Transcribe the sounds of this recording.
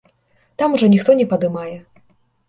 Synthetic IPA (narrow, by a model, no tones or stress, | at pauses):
t̪amuʐɔnʲixt̪ɔnʲɛpɐd̪ɨmajɛ